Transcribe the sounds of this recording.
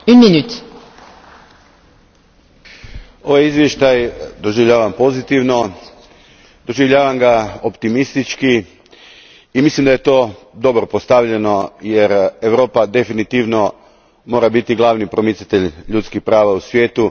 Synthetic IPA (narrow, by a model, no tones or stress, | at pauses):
ynminyt̪ | oʋajizʋje̞ʃt̪ajd̪o̞ʒiʋʎaːʋampo̞zit̪iʋno̞ | d̪̥o̞ʒiʋʎaːʋamɡaopt̪imist̪it͡ʃki | imislimd̪aje̞t̪o̞ | d̪o̞bɾopost̪aʋʎe̞no̞je̞ɾeʋɾoːpad̪e̞finit̪iʋno̞ | mo̞ːɾabit̪iɡlˠaːʋnipɾo̞mit̪sat̪e̞ʎʎut̪skixpɾaːʋausʋʲje̞ːt̪u